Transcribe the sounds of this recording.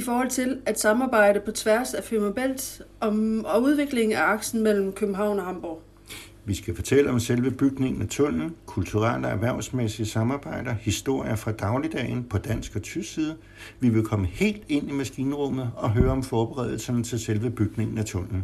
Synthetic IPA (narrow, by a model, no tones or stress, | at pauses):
ifɒːhɒ̽l̰t͡sʰe̝læd̥sɑ̈mɑ̈ːb̥ɑ̈ɪ̰ɾəpʰɒ̽t͡sʰʋæɐsæfynmob̥el̰d̥ | ɒuð̞ˠʋe̝ɡ̥le̝ŋ̩æɑ̈ɡ̥sn̩mel̰m̩kʰøb̥n̩ɦɑ̈ʊ̰nɒhɑ̈mb̥ɒ̰ | ʋisɡ̥æfɒ̽t͡sʰel̰əɒ̽mselʋəb̥yɡ̥ne̝ŋn̩æt͡sʰɔ̽n̰n̩kʰult͡sʰuʁal̰əæɐʋæɐʊsmesiəsɑ̈mɑ̈ːb̥ɑ̈ɪ̰d̥ɐhisd̥o̝ɐ̰jɐfʁɑ̈d̥ɑ̈ʊlid̥ɛ̰ːɪnpʰɒ̽d̥æn̰sɡ̥ɒ̽t͡sʰysɡ̥siːð̞ˠə | ʋiʋe̝kʰɒ̽məhe̝̰ːld̥e̝n̰imæsɡ̥ḭːnəʁɔ̽m̰ð̩ˠɒ̽ɦøːɐɒ̽mfɒːb̥eʁɛ̰ðˠl̩sɐnət͡sʰe̝lselʋəb̥yɡ̥ne̝ŋn̩æt͡sʰɔ̽n̰n̩